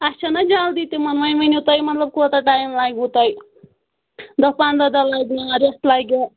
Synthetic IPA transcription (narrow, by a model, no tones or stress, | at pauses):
at͡ʃʰanʌd͡ʒald̪it̪omʌnmʌjmɐniut̪ʌjmʌt̪lʌb̚kot̪aʈajmlaɡɦut̪ʌj | d̪ʌpand̪ad̪alaɡmaɾest̪laɡa